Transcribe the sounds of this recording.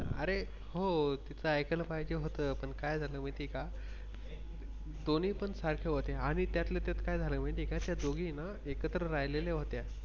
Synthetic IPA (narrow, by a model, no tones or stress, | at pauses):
əɾe | ɦot̪it͡səajkələpajd͡ʑeɦot̪əːpəɳkajd͡zʱaləːm̤əɳt̪iːka | d̪oniːpəɳsaɾkʰjəɦot̪eaɽ̃it̪jat̪let̪et̪kajd͡zʱaləːm̤əɳt̪ikat̪jad͡zoɡiːna | ekət̪ɾəɾajleleɦot̪a